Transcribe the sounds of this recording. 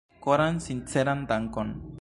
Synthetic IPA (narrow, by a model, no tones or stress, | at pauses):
koɾansint͡seɾand̪aŋkon